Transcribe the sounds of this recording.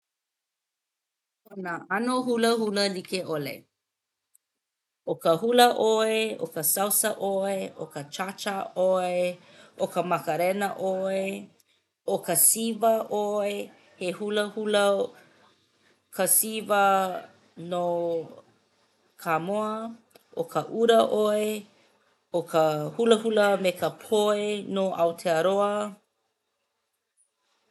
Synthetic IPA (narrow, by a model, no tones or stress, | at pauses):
onaanoɦuləhuləlikeʔolḛ | okəhuləʔoeo̰kəsawsəʔoeʔokət͡ʃat͡ʃəʔoe | ʔokəmɐkəɾɛnəʔoe | okəsivəʔoe | hehuləhulə | kəsivə | no | kʰamoɐ | ʔokʰəʔuɾɐʔoe | okəhuləhuləmekəpʰoenoʔawtʰeəɾoɐ